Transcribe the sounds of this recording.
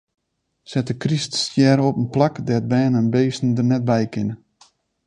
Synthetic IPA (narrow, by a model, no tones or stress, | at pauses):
sɛtəkristsjɛːɾəɔpənplakdɛt̚bɛːnənbeːsn̩dərnɛt̚bɛjkɪnə